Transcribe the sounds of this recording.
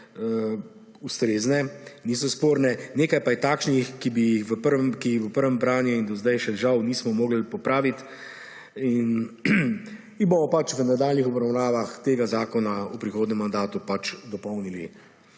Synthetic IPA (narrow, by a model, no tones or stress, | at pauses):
ust̪ɾeːznɛniːsɔspoːɾnɛneːkajpajɛt̪aːkʃnixkibijixʋəpəɾkixʋəpəɾʋɛmbɾaːnjuind̪ɔzd̪ajʃɛʒawniːsmɔmoːɡlpɔpɾaːʋit̪ | in | ibomɔpat͡ʃʋənad̪aːlnixɔbɾawnaːʋaxt̪eːɡazaːkɔnaupɾixoːd̪nɛmːand̪aːt̪upat͡ʃd̪ɔpɔwnilḭ